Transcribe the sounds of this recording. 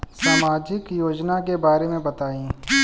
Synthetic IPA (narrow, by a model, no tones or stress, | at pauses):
saːmaːd͡ʒɪkjoːd͡ʒnakebaːɾemẽbɐt̪aːĩː